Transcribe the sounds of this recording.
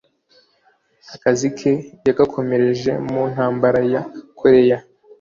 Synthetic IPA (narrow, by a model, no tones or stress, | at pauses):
akazikʰe̞jaɡakʰo̞me̞ɾe̞ʒe̞mun̥haːmbaɾajakʰoɾe̞ja